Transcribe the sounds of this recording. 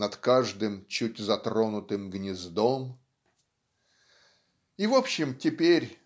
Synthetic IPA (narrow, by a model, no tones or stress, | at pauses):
nɐt̪kaʐd̪ɨmt͡ɕutʲzɐt̪ɾo̞nʊt̪ɨmɡnʲɪzd̪om | ivo̞pɕːɪmtʲɪpʲeɾʲ